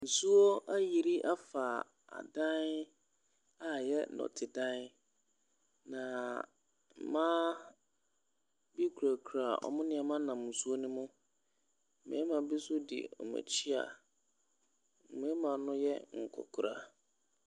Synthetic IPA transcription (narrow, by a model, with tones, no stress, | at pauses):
n̩˨su˦o˦ʔa˦ji˨ɾi˦ʔa˦faː˨ | a̰˨dã˦n | a˦jɛ˦nɔ̰˨tʰɪ˨dã˦n˦ | nã˨ | m̩˨mãː˦ | bi˦kʰu˨ɾa˨kʰu˨ɾa˨ɔ̰˨mʊ̃˦nɪ̃˦ɛ˨mã˦nã˨m˨ʊ̃˨su˦o˦nʊ̃˦mʊ̃˦˨ | mɛ̰̃˨˦ɛ˦mã˨bi˦sʊ˦dḭ˨ɔ̰˨ma̰˨t͡ɕʰi˦a̰˨ | m̃˨˦ɛ˦mã˨nʊ̃˦jɛ˦ŋ̩˨kʰɔ̰˨kʰʊ˨ɾa̰˨